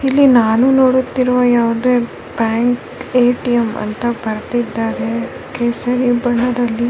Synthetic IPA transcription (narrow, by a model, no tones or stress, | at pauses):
ilːinaːnunoːɽut̪ːiɾʋɐjaːʋud̪eː | bjaːŋk | eːʈijɐmɐ̰nt̪ɐbɐɾt̪id̪ːaːɾe | kesɐɾibɐɳːɐd̪ɐlːi